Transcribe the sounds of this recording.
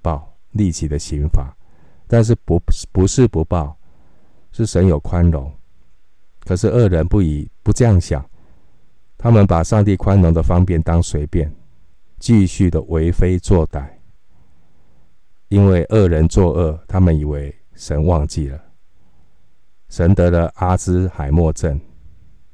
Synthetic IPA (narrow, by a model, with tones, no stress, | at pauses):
pɑ˥˩ʊ | li˥˩t͡ɕi˨˥d̪ə˨ɕi˧˥ŋfa˨˩˦ | t̪a˥˧nʂ̬ɻ̩˥˩ppu˧˦ʂɻ̩˥˨pu˧˦˥pɑ˥˨ʊ | ʂɻ̩˥˩ʂə˧˦njo˨˩ʊkʰwa˦nɻo˨˦ŋ | kʰə˨˩ʂɻ̩˥˧ʔɤ˥˩ɻə˧˦npu˥˨pu˧˦ʈ͡ʂɤ˥˧jɑ˥˩ŋɕjɑ̰˨˩ŋ | t̪ʰa˦mə˨npa˨˩ʂɑ˥˧ŋt̪i˥˩kʰwa˦nɻo˧˥ŋd̪ə˨fɑ˥ŋpjɛ˥˨nt̪ɑ˦ŋswe˧˥ɪpjɛ˥˨n | t͡ɕi˥˧ɕy˥˩d̪ə˨we˧˦ɪfe˥ɪt͡swɔ˥˨t̪a˨˩˦ɪ | i˦nwe˥˧ɪʔə˥˩ɻə˧˦nt͡swɔ˥˧ʔɤ˥˩t̪ʰa˥mə˨ni˨˩we˧˦ɪ | ʂə˧˥nwɑ˥˧ŋt͡ɕi˥˨˩lə˩ | ʂə˧˦˥nt̪ɤ˧˥lə˧ʔa˦t͡sɹ̩˦˥xa˨˩ɪmwɔ˥˧ʈ͡ʂə˥˨n